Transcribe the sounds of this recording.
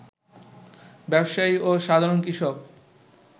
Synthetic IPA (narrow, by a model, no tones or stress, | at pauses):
bɛbʃaioʃad̪ʱaɾonkɾiʃok̚